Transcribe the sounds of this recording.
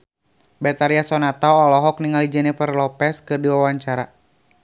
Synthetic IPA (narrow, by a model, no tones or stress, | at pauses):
bɛt̪aɾiasɔnat̪aɔlɔɦɔk̚niŋalid͡ʒɛnɛfərlɔpɛskɨrdiwawaɲt͡ʃaɾa